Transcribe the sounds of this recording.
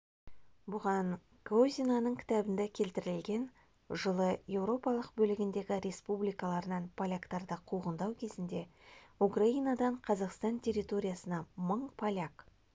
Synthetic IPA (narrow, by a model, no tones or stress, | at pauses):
bʊʁɑn | ɡozʲinanəɴkʲʰɪ̥t̪æbɪnd̪ekʲʰe̞lt̪ɪɾɪlɡʲe̞n | ʒəlˠəje̞wɾo̞pɑlˠəqbɵlɪɡʲɪnd̪e̞ɡʲɪɾʲe̞spublijkɑlˠɑɾənɑnpʰalʲakt̪ɑɾd̪əqʰuʁənd̪ɑwkʲʰe̞zɪnd̪e̞ukraijnad̪ɑɴqʰɑzɑqst̪ɑnt̪ʲʰe̞rʲːit̪o̞ɾʲijasənɑməɴpʰalʲak